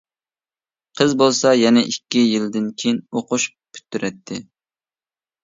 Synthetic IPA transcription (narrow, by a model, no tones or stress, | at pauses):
qʰəzbolˠsɑjɛnɛʔikʲːijild̪ɪnkʲʰejinoqʊʃ | pʰy̥t̪ʰːyɾʔɛt̪ʰːɪ